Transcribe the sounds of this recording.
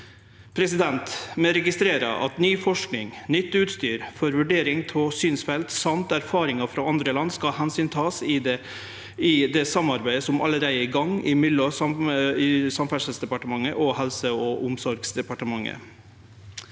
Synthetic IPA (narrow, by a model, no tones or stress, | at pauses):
pʰɾɛsɪd̪ɛnt̪mɛɾɛɡɪst̪ɾeːɾə̰ʔɑ̰t̪nyːfɔʂknɪŋnʏt̪ːʉːt̪st̪yːɾfɔɾʋʉɖeːɾɪŋt̪ʰɔsyːnsfɛlt̪sɑmt̪æɾfɑːɾɪŋɑfɾɑːɑnd̪ɾəlɑnːskɑhɛnsyːnt̪ʰɑːsɪ | ɪd̪ɛsɑmɑɾbæɪəsɔmʔɑ̰ləɾæɪd̪əɪɡɑŋːɪmɪlɔsɑmɪsɑmfæʂlsd̪ɛpɑʈəmɑŋːəʔɔhɛlsəɔʔʊmsɔɾɡsd̪ɛpɑʈəmɑŋːə̰